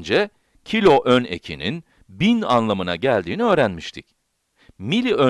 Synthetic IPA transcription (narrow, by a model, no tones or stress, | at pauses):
nd͡ʒɛ | cʰilʲo̞ʔøne̞̰cʰinḭn | bina̰nlˠamɯna̰ɟælʲd̪iːniø̞ːɾænmiʃt̪ʰic | milʲiø